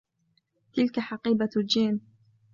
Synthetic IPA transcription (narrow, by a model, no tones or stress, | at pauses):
t̪ɪlkaħɑqiːbad͡ʒiːn